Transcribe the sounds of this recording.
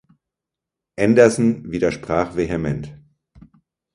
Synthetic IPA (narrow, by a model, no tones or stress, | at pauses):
ʔɛndɐzn̩viːdɐʃpʁ̥aːχv̥eːɦɛmɛnt